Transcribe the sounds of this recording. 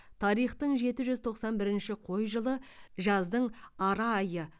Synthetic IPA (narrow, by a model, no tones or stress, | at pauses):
t̪ʰɑɾijχt̪əɴʒe̞t̪ɪʒʏzt̪ʰo̞qsɑnbɪɾɪnʃɪqʰo̞jʒəlˠəʒɑzd̪əɴɑɾɑːjə